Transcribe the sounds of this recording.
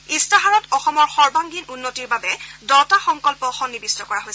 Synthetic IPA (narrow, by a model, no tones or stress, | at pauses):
istaɦaɹɔtɔxɔmɔɹxɔɹbaŋɡinunːotiɹbabɛdɔtaxɔŋkɔlpɔxɔnːibistɔkɔɹaɦojsɛ